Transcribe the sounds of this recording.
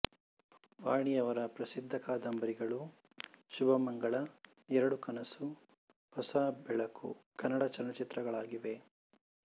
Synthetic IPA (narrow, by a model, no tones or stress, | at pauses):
ʋaːɳijɐʋɐɾɐpɾɐsid̪ʱːɐkaːd̪ɐmbɐɾiɡɐɭu | ʃubɐmɐŋɡɐɭɐ | ɛɾɐɽukɐnɐsu | hɔsaːbɛɭɐkṵkɐnːɐɽat͡ʃɐnːɐt͡ʃit̪ɾɐɡɐɭaːɡiʋe̞